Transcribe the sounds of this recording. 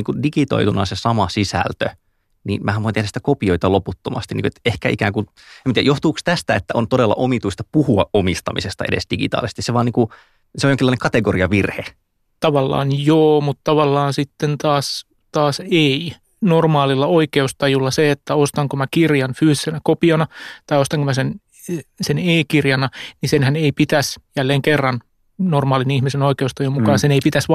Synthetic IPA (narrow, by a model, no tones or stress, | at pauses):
iːŋkudiɡit̪o̰it̪unɑ̰sesɑmɑsisæ̰lt̪ø̰ | nḭmʔæːhæʋoinehɾæsit̪ækopioit̪ɑloput̪ːomɑ̰st̪inːḭːkuet̪ehkæ̰ʔikæːŋkun | emːt̪iæ̰joht̪uːkst̪æst̪æet̪ːæʔont̪odelːɑ̰ʔomit̪uist̪ɑ̥puhuɑʔʔomist̪ɑmisest̪ɑ̰edḛsd̥iɡḭt̪ɑ̰ːlise̥st̪iseʋɑːniːku | seojoŋkilːɑinekɑt̪eɡoɾiɑʋirhe | t̪ɑʋɑlːɑ̰ːnjoːmut̪t̪ɑʋɑlːɑːnsit̪ːent̪ɑːs | t̪ɑːsei | normɑːlilːɑoikeust̪ɑjulːɑseet̪ːæost̪ɑŋkomækirjɑnfyːsisenækopiɑnɑt̪ɑijost̪ɑŋkomæsen | seneːkirjɑnɑnisenhæneipit̪æsjælːeːŋkerːɑn | normɑːlinihmisenoikeust̪ɑjumukɑːnseneipit̪æsʋɑ